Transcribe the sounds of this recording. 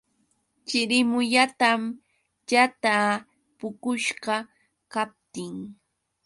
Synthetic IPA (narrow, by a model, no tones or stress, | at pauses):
t͡ʃɪɾɪmʊʎat̪am | jat̪a | pʊkʊʃɢɑ | kap̚t̪ɪŋ